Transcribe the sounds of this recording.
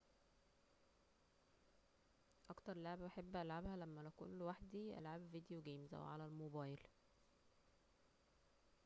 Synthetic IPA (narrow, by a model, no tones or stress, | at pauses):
ʔɑkt̪ɑɾˤlaʕebʔaħebːʔælʕabhælæmːælækṵnlwaħd̪iʔæ̰lʕabvid̪ejoɡæːmzʔæ̰wʕalælmobɑːjl